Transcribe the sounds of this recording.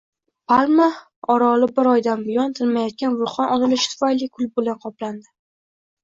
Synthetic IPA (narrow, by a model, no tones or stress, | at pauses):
pʰalˠma | ɒɾɒlɪbɪɾɒjd̪anbɪjɒnt̪ʰɪlmajɒt̪̚kʲanvʊɾχɒnʔɒnɪlɪʃɪ̥t̪ʰʊ̥fajlɪkʰʊlˠbʊlanqʰɒpland̪ɪ